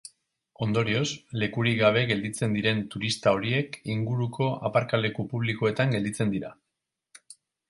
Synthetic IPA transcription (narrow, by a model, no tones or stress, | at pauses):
o̞nd̪o̞ɾio̞sle̞kuɾiɡaβ̞e̞ɣe̞ld̪it͡se̞nd̪iɾe̞nt̪uɾist̪ao̞ɾie̞kiŋɡuɾukʰo̞ʔapaɾkale̞kupuβliko̞e̞t̪aŋɡe̞ld̪it͡se̞nd̪iɾa